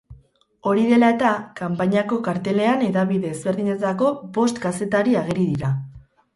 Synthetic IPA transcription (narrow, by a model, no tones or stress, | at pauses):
o̞ɾiðe̞lae̞t̪akampaɲako̞kaɾt̪e̞le̞ane̞ðaβiðe̞ːzβe̞ɾðiɲe̞t͡sako̞bo̞st̪kase̞t̪aɾiaɣ̞eɾiðiɾa